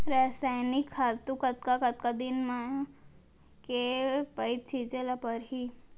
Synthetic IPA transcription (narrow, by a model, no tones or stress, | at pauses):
ɾaːsaːjnɪkʰːaːt̪ukət̪̚kakɐt̪̚kad̪inmã | kepəit̪̚t͡ʃʰit͡ʃelapəɾɦi